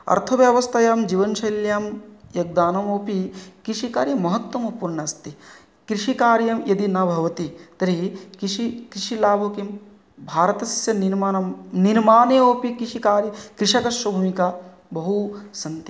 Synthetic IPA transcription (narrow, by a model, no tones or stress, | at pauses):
ɐ̰ɾt̪ʰɐʋjɐʋɐst̪ʰɐjaːmd͡ʒiːʋɐnʃɐjljaːmjɐɡ̚d̪aːnɐmoːpikɾiʂikaːɾjɐmːɐɦɐt̪wɐmɐpuːɾɳɐst̪i | kɾiʂikaːɾjɐmjɐd̪inɐbʱɐʋɐt̪it̪ɐɾikʃikɾiʃilaːbʱokim | bʱaːɾɐt̪ɐsjɐniɾmanɐniɾmaːneːoːpikɾiʂikaːɾjɐkɾiʂɐkɐʃʋɐbʱumikaː | bɐɦusɐnt̪ɐ